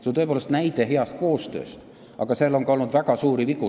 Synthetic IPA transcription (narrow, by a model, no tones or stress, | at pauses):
sent̪ɤepoːlst̪næjd̪e̞ɦe̞ɑst̪̚ko̞ːst̪ø̞̰ːst̪ | ʔɑ̰ɡ̥ɑseːlːo̞ŋkɑo̞lnud̪̥væɡ̥ɑsuːɾiviku